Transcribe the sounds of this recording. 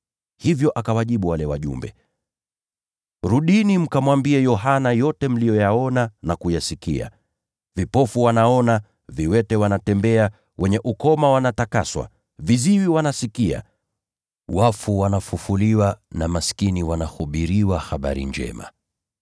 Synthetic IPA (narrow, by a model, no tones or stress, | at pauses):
hivjɔʔakawaʄiɓuwalɛwa̰ʄṵmbɛ | ɾuɗinim̩kamwambiɛjɔɦanajɔtɛm̩lijɔjaɔnanakujasikḭa̰ | vipɔfuwanaɔna | viwɛtɛwanatɛmbɛa | wʔɛɲɛʔukɔmawanatakaswa̰ | viziwiwanasikia̰ | wafuwanafufuliwanamaskiniwanahuɓiɾiwahaɓa̰ɾḭɲd͡ʒɛ̰ma̰